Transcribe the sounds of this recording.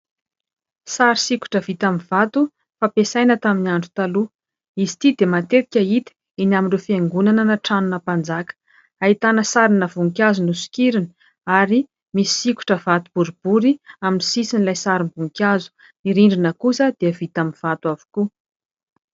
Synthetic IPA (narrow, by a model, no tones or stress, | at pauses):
saɾisiku̥ʈ͡ʂəv̥it̪amiv̥at̪u | fapesajnət̪aminiaɳɖ͡ʐu̥t̪alu | izi̥t̪id̪emat̪eɾikʲəit̪i̥ | inaminrefieŋɡunananəʈ͡ʂanunəpand͡zakə̥ | ait̪anəsaɾinəvuŋkʲazunusi̥kʲiɾini̥ | aɾi | misi̥siku̥ʈ͡ʂəv̥at̪ub̥uɾib̥uɾiaminisisinilajsaɾimbuŋkʲazu̥ | niɾiɳɖ͡ʐinəkusəd̪̥eəvit̪aminv̥at̪wavu̥ku